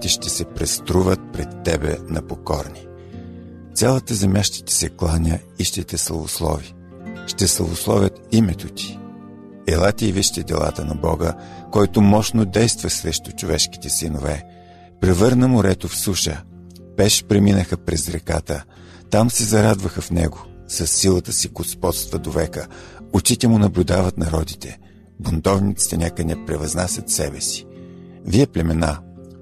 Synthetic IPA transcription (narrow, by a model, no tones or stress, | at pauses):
t̪iʃt̪ɛsɛpɾɛst̪ɾuvət̪̚pɾɛt̪ːɛbɛ̰nɐpokɔɾni | t̪sʲalˠət̪əzɛmjaʃt̪i̥t̪i̥sɛklˠanʲəiʃt̪ɛt̪ɛslˠɐ̰vo̰slˠɔ̰vi | ʃt̪ɛslˠɐ̰voslˠɔ̰vʲət̪imɛt̪ot̪i̥ | ɛlˠat̪iːviʃt̪ɛd̪ɛ̰lˠa̰t̪ənɐbɔ̰ɡəkɔjt̪ʊmɔʃnod̪ɛjst̪vəsɾɛʃt̪ʊt͡ʃʊvɛʃki̥t̪ɛsinovɛ | pɾɛvɤɾnəmʊɾɛt̪ofsuʃə | pɛʃpɾɛminəxəpɾɛzɾɛka̰t̪ə | t̪amsɛzɐɾad̪vəxəfnɛɡosɐsːilˠət̪əsiɡospɔt̪st̪vɐd̪ovɛkəot͡ʃit̪ɛmʊnɐblʲʊd̪avət̪nɐɾɔd̪it̪ɛ | bont̪ɔvnit̪si̥t̪ɛnʲakənɛpɾɛvɐznasʲɐt̪sɛbɛsi̥ | viɛplʲɛmɛna